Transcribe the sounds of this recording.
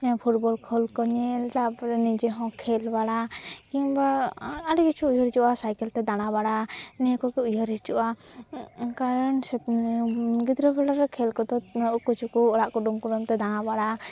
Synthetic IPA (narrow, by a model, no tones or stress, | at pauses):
ɲapʰuʈ̚bɔlkʰɔlkɔɲɛlt̪apɾɛnid͡ʒɛɦɔ̃kʰɛlbaɽakiɲbaaɽɛkut͡ʃʰuːjəɾit͡ʃuʔasajkɛlt̪ɛd̪aɽ̃abaɽankɔkɛujɔɾit͡ʃuʔa | kaɾɔnsɛ | ɡid̪ɾɔbɛɽaɾɛkʰɛlkɔd̪ɔʔkut͡ʃʰukuɔɽaʔkɔɖumkuɖumt̪ɛd̪aɽ̃abaɽa